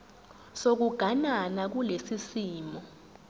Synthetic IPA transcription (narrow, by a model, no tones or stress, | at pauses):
sok̬uɡ̥ʱananak̬ulesisiːmɔ